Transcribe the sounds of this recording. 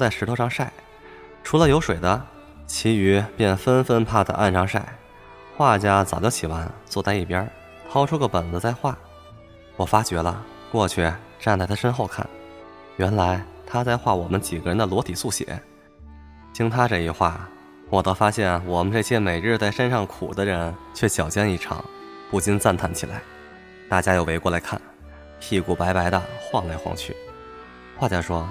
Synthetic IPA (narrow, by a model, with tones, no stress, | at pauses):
t͡sa˥˩ɪʂɻ̩ʰ˧˥o˧˥ʊʂɑ˥˧ŋʂa˥˩ɪ | ʈ͡ʂʰu˧˥lə˧jo˧˥ʊʂwe˨˩ɪd̪ə˦ | t͡ɕʰi˧˥y˧˥pjɛ˥˩nfə˥nfə˥npʰa˥˩d̪ə̰˩ʔa̰˥˩nʈ͡ʂʰɑ˧˥ŋʂa˥˩ɪ | xwa˥˧t͡ɕja˥t͡sɑ˨˩ʊt͡ɕjɑ˥˩ʊt͡ɕʰi˨˩wa˧˥nt͡swɔ˥˧t͡sa˥˧ɪi˥˩pjɐ˥ | t̪ʰɑ˥ʊʈ͡ʂʰu˥ɡə˧pə˨˩nd͡zɹ̩˧˦t͡sa˥˧ɪxwa˥˩ | wɔ˨˩fa˥t͡ɕɥɛ˧˥lə̰˧ | kwɔ˥˧t͡ɕʰy˥˩ | ʈ͡ʂa˥˧nt͡sa˥˩t̪ʰa˥ʂə˥nxo˥˧ʊkʰa̰˥˩n | ɥɛ˧˥nla˧˥ɪt̪ʰa˥t͡sa˥˧ɪxwa˥˩wɔ˨˩mə˦nt͡ɕi˨˩ɡə˥ɻə˧˥nd̪ə˧lwɔ˧˥t̪ʰi˨˩su˥˩ɕjɛ̰˧˥ | t͡ɕʰi˥ŋt̪ʰa˥ʈ͡ʂɤ˥˧i˥˧xwa̰˥˩ | wɔ˨˩t̪o˥ʊfa˥ɕjɛ˥˩nwɔ˨˩mə˦nʈ͡ʂɤ˥˩ɕjɛ˥me˨˩ɪɻ̩˥˧t͡sa˥ɪʂə˥nʂɑ˥˩ŋkʰṵ˨˩d̪ə˦ɻə˧˥nt͡ɕʰɥɛ˥˩ɕjɑ˨˩ʊt͡ɕjɛ˥˧ni˥˩ʈ͡ʂʰɑ̰˨˩˦ŋ | pu˥˩t͡ɕi˥nt͡sa˥˧nt̪ʰa˥˩nt͡ɕʰi˨˩la̰˧˥ɪ | t̪a˥˩t͡ɕja˥jo˥˩ʊwe˧˥ɪkwɔ˥˩la˧˥ɪkʰa̰˥˩n | pʰi˥˧ku˥˩pa˧˥ɪpa˧˥ɪd̪ə˧xwɑ˥˧ŋla˥˧˥ɪxwɑ̰˧˥ŋt͡ɕʰy̰˥˩ | xwa˥˩t͡ɕja˥˩ʂwɔ˥